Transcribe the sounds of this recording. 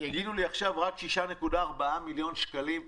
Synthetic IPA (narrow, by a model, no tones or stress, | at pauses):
jaɡiduliaχʃavʁakʃiʃane̞kudaːʁbaamiljo̞nʃkalim